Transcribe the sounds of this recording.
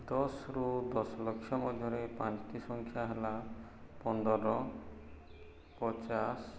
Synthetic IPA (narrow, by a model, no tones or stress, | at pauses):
d̪ɔsɾud̪ɔslɔkʃjɔmɔd̪ʱɔɾepãt͡ʃʈisɔŋkʰjaɦela | pɔnd̪ɔɾɔ | pɔt͡ʃas